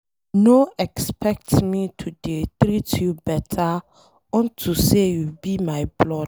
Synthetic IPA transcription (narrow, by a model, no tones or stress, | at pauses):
noɛkspʰɛk̚tmitʰudetɾitjubɛtʰa | ɔ̃ntʰusejubimaɪblɔd